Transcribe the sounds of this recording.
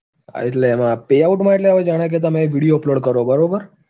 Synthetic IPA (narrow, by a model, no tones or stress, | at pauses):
a̰it̪lemapeauʈmaiʈ̪leaʋəd͡ʒaɽ̃ak̬et̪̬amẽʋiɽijoploɽkəɾobəɾobəɾ